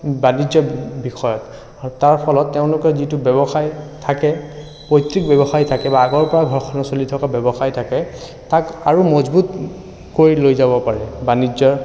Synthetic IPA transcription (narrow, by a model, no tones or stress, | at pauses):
banid͡ʒɔbixɔjɔtː | aɹpʰɔlɔtːɛʊ̃lʊkɛzitubɛbɔxajtʰakɛ | pɔjtɹik̚bɛbɔxaɹitʰakɛbaːɡɔɹpɔɹaɡʱɔɹxʰɔnɔsolitʰɔkabɛbɔxajtʰakɛ | takaɹumɔzbut | koɹilojzabɔpaɹɛbanizɔ